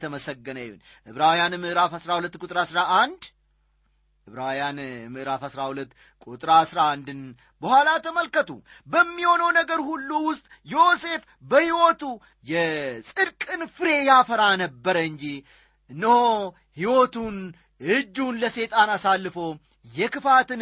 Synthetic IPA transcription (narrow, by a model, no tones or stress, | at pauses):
t̪ʰəməsəɡːənəjːṵn | ʔɨβɾawjanɨmɨʔɾafhasɾahulət̪ːkʼut̪ʼɾasɾaʔːnd̪ | ʔɨβɾawjanmɨʔɾafhasɾahulət̪ː | kʼut̪ʼɾasɾaːnd̪ɨn | bəhʷwalat̪ʰəməlkət̪ṵbəmːiho̞nəwnəɡəɾhulːuwʊst̪ʼjose̞f | bəhiwot̪u | jɛsʼɨɾkʼɨnfɨɾe̞jafəɾanəbːəɾəɨɲd͡ʒi | ɨnːɨho | hiwot̪un | ʔɨd͡ʒːunləse̞t̪ʼanasalːɨfo | jɛkɨfat̪ɨn